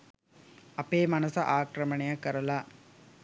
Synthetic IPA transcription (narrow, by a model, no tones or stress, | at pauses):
ɐpeːmɐnɐsɐʔaːkɾɐmɐɳejakːɐɾɐlaː